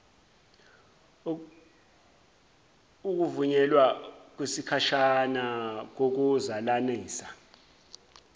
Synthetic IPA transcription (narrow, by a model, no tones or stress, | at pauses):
uk̬uvuɲɛlwak̬wisikʰaʃanak̬ok̬uzalaniːsa